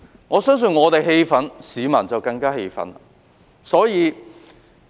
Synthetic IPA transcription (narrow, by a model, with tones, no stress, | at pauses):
ŋɔː˨˧sœː˥ŋs̬ɵ˨˧nŋɔː˨˧t̪e˨jɦe˧jfɐ˨˥nsiː˨˥mɐ˨˩nt͡sɐ˨wkɐ˧ŋkaː˥he˧jfɐ̰˨˥nɐ˨ | sɔː˨˥jiː˨˧